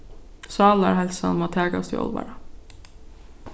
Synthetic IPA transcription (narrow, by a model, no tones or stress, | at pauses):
sɑːlæ̰ɾhɛlsɑnmoːt̪ʰeːɡast̪ḭɔ̰lʋɑ̰ɾɑ